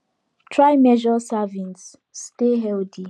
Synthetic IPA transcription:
tʰɹajmɛʒɔsavĩnsː | teɦɛlti

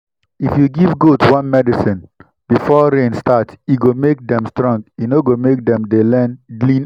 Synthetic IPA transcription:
ifjuɡivɡotwãnmɛdisĩn | b̥ifɔɾẽnstatiɡomek̚dɛ̃mstɹɔ̃ŋɡinoɡomek̚dɛ̃mdelɛ̃nɡlĩn

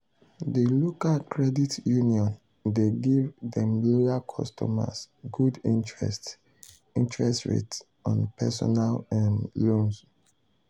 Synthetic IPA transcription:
dəlokalkʰɹɛditjuniɔ̃n | deɡivdɛ̃mlojakʰɔ̰stʰɔ̰ma̰s | ɡudĩntɹɛ̰st | ĩntɹɛstɹḛts | ɔ̃npʰɛsɔ̰nalɛnlõns

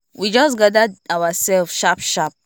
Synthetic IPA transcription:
wid͡ʒɔs̬ɡadaawasɛlfʃapʃap̚

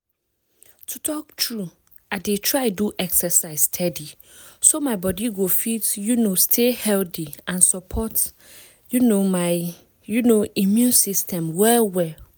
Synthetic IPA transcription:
tʰutʰɔk̚tʰɹu | adetʰɹaɪduʔɛksɛsaɪsstʰɛdi | somãɪbɔdiɡofitjunostʰehɛltiãnsɔpʰɔt | junoma | junoimjũnsistʰɛ̃mwɛlwɛ

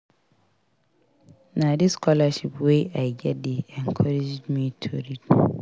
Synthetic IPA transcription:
nadiskʰɔlaʃipweajɡɛt̚deɛ̃ŋkʰɔɾed͡ʒdmitʰoɾit

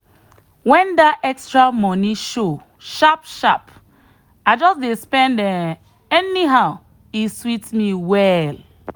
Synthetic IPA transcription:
wɛ̃ndaɛkstɹamɔniʃo | ʃapʃap | aɪd͡ʒɔsdespɛ̃ndɛ | ɛniɦaʊ | iswitmiwɛl

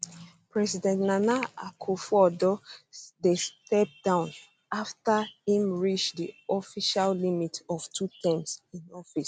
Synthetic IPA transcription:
pɹɛsidɛ̃ntnanaakʰofɔdɔdestɛp̚dãʊ̃n | aftahĩmɹit͡ʃdiɔfiʃallimitɔv̥tʰutʰɛ̃msĩnɔfis

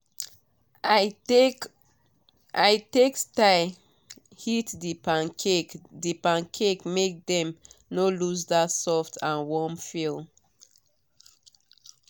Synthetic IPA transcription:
ʔaɪtektaɪ | hitdipekdipãnkʰekmek̚dɛ̃mnolus̬datsɔftʰãnwɔmfilˠ

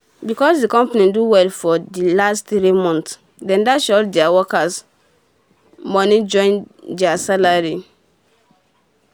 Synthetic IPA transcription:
bikɔsdikɔ̃mpanĩduwɛlfɔdilastθɾimɔ̃nts | dɛ̃ndaʃɔldɛawɔkas | mɔnid͡ʒɔ̃ɪ̃ndɛasalaɹi

